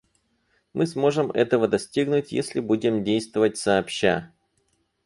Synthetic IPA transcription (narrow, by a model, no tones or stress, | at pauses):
mʔɨsmo̞ʐɨmɛ̰t̪əvəd̪ɐsʲtʲiɡnʊtʲjḛsʲlʲɪbudʲɪmdʲejst̪vəvət̚ʲsɐːpɕːa